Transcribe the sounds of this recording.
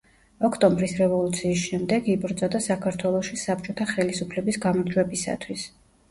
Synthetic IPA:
ɔkʰt̪ʼɔmbɾisɾɛvɔlˠut̪sʰiːs̬ʃɛmd̪ɛɡibɾd̪zɔd̪asakʰaɾt̪ʰwɛlˠɔʃisap̚t͡ʃʼɔt̪ʰaχɛlisupʰlɛbisɡamɔɾd͡ʒwɛbisa̰t̪ʰwis

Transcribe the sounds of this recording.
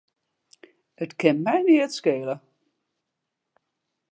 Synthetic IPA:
ətkʰɪnmɛjniətskeːələ

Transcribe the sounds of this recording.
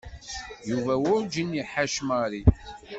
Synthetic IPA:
juvæwʊɾd͡ʒiniħaʃmaɾi

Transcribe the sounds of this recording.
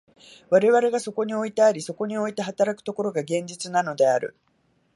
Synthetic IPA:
β̞aɾe̞βaɾe̞ɡaso̞ko̞ɲ̟io̞it̪eaɾʲiso̞ko̞ɲ̟io̞it̪e̞ɦat̪aɾakɯ̟̥t̪o̞ko̞ɾo̞ɡaɡẽ̞ɲ̟d͡ʑit͡sɨnano̞d̪e̞aɾɯ̟̰

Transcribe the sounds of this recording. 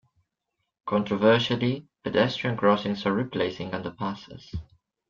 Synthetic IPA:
kʰɔ̃ntɹɔvɜˑʃəlipʰɛdɛstɹiə̃nɡɹɔsɪ̃ŋsəɹipʰleɪsɪ̃ŋʌ̃ndəpʰaˑsə̰z̥

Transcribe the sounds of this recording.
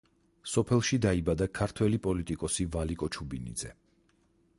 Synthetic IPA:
sɔpʰɛlˠʃid̪aibad̪akʰaɾt̪ʰwɛlipʼɔlit̪ʼikʼɔsivalikʼɔt͡ʃʰubinḭd̪zɛ

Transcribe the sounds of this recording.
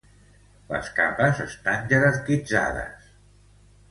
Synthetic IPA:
lə̰ska̰pəzəst̪anʲʒəðərt̪id͡za̰ðə̰s

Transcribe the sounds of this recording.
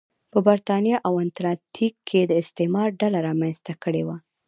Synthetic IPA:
pəbaɾt̪ɑnjɑʔawant̪ɾɑt̪ʰikʰːed̪əɪst̪emɑɾɖalaɾɑmanst̪akəɽewa

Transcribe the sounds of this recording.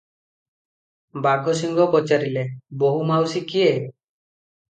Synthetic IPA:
baɡʱɔs̬iŋɡɔpɔt͡ʃaɾileboɦumawsikie

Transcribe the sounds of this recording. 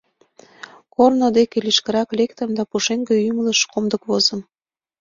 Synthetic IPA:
kornod̪ekeliʃkəɾɑklekt̪əmd̪ɑpuʃeŋɡeymələʃkomd̪əkβozə̆m

